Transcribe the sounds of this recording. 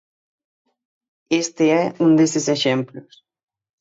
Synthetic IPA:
est̪eɛund̪eseseʃemplʊs

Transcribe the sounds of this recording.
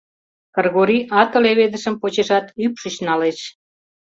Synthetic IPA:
kərɣoɾiʔɑt̪ə̆leβed̪əʃəmpot͡ɕeʃɑt̪ypʃət͡ɕnɑleʃ

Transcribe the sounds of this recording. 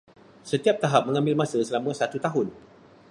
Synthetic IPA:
sət̪iap̚t̪aɦap̚mə̃ŋãmbɪlmãsəsəlamə̃sat̪ut̪aɦʊn

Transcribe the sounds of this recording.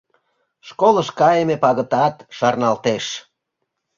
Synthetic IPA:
ʃkoləʃkɑjemepɑɣə̆t̪ɑt̪ʃɑrnɑlt̪eʃ

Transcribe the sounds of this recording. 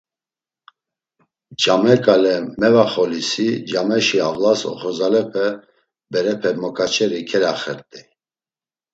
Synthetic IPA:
d͡ʒamɛkʼalɛmɛvaχɔlisid͡ʒamɛʃiavlasɔ̰χɔzalɛpʰɛ | bɛɾɛpʰɛmɔkʰʼat͡ʃʰɛɾikʰɛlaχɛɾt̪ʼi

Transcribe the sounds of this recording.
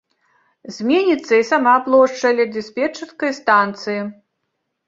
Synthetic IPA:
zʲmʲenʲit̪sːɐisamaplˠɔʂt͡ʂɐlʲɐd̪ʲisʲpʲɛt͡ʂɐskɐjst̪ant̪sɨji

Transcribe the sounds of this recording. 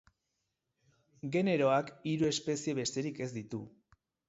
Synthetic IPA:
ɡe̞ne̞ɾo̞akiɾue̞spe̞sie̞βe̞st̪e̞ɾike̞zd̪it̪u

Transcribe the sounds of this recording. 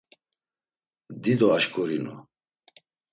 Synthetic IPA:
d̪id̪ɔaʃkʼɔɾinṵ

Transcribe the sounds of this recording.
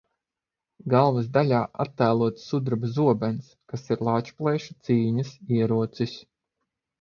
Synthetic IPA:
ɡalˠvɐzd̪alʲaːʔa̰t̪ːæːlˠuɔt̪sːud̪ɾabzuɔbɛnskasiɾlˠaːt͡ʃplˠɛːʃu̥t̪siːɲɐsiɛɾuɔt̪sis

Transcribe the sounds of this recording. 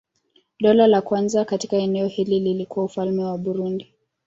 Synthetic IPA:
ɗɔlalakwanzakati̥kaɛnɛɔhilililikuwaufalmɛwaɓuɾundi

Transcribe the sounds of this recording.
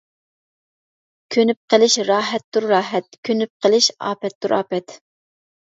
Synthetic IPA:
kʲʰønyp̚qʰəlˠɪʃɾɑːɦɛt̪ːuɾːɑːɦɛt̪̚kʲʰønyp̚qʰəlˠɪʃɑ̰ːpɛt̪ːuɾʔɑ̰ːpɛt̪

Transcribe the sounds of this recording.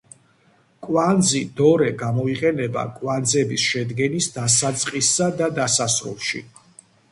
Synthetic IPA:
kʼwand̪zid̪ɔɾɛɡamɔiqʼɛnɛba̰kʼwand̪zɛbisʃɛd̪ɡɛnisd̪asat̪sʼqʼisːad̪ad̪asasɾṵlˠʃḭ

